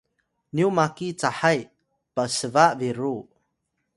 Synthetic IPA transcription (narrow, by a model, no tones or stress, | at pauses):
niumakit͡saħaj | pasəvaʔviɾu